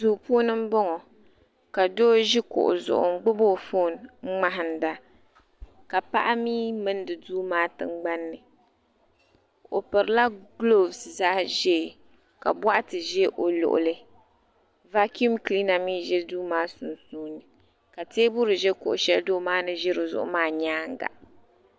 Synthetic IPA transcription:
zuː˨puː˦nɨ˦m̩˦bɔ˦ŋɔ˨ | ka˨doː˦ʒi˦kʊ̰˨ʔʊ̰˨zʊ̰˨ʔʊ̰˨ŋ̩˦ɡ͡bʊ˦boː˦˨fo˦˨nŋ͡m̩˦ŋ͡ma˦ɦɨ˨n˨da˦ | ka˨pa̰˦ʔa˦miː˦mɨ˦ndɨ˨duː˦maː˦tɨ̰˦ŋ͡mɡ͡ba˦nːɨ˨ | o˨pɨ˨ɾɨ˨la˦ɡlo˦vsza˦hʒɛ˦˨ | ka̰˨bwa˦ʔa˦tɨ˨ʒɛ˦ʔo˨lʊ̰˨ʔʊ̰˨lɨ˦ | va˦ku˦mkli˦na˨miː˦ʒɛ˦duː˦maː˦sʊ˨nsuː˦nɨ˨ | ka˨teː˦bʊ˦ɾɨ˨ʒɛ˦kʊ̰˨ʔʊ̰˨ʃɛ˦ldoː˦maː˦nɨ˦ʒɪ˦ɾɨ˨zʊ̰˨ʔʊ̰˦maː˦ɲaː˦ŋ˦ɡa̰˨ʔ

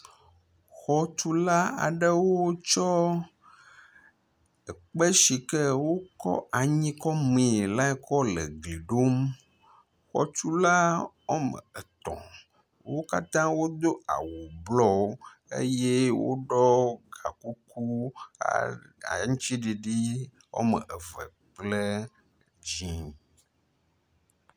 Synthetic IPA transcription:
xɔ˦t͡ʃu˦la˦a̰˨ɖe˦wo˦t͡ʃɔ˦ | ə˨k͡pe˦ʃi˨kɛ˦wo˦kɔ̰˦ʔa˨ɲĩ˦kɔ˦mẽ˨la˦ɛ˦kɔ˦lḛ˨ɡli˨ɖo˦m | xɔ̰˨t͡ʃu˦la˦wo˦mḛ̃˨e˨t̪ɔ̰̃˨ | wo˦ka˦t̪ã˦wo˦d̪o˦a̰˨wo˨blɔ˦ | ḛ˦je˦wo̰˦ɖɔ˦ɡa̰˨ku˦ku˦˨˦ | ŋũ˦t͡ʃi˦ɖi˨ɖi˦ | wo̰˦mə̰̃˨ʔə˨vɛ̰˨ | k͡plə˦ | d͡ʑĩ˦

